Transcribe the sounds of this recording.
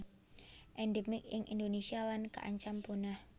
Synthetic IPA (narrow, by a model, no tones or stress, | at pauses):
ʔɛndɛmɪk̚ɪŋʔḭndonesialanka̰ʔa̰ɲt͡ʃampunah